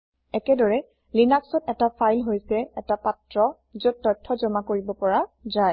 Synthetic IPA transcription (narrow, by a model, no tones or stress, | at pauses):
ɛkɛdɔɹɛ | linaksɔtɛtapʰajlɦojsɛɛtapatɹɔ | zʊt̚tːɔjtʰːɔzɔmakoɹibɔpɔɹazaj